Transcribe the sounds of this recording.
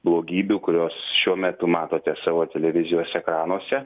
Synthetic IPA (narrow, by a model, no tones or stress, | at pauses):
blˠoːɡʲiːbʲukʊɾʲoːsʃʲuɔmʲɛt̪ʊmɑːt̪oːt̪ʲɛsɑːʋoːt̪ʲɛlʲɛʋʲɪzʲɪjoːsʲɛkɾɑːnuɔsʲɛ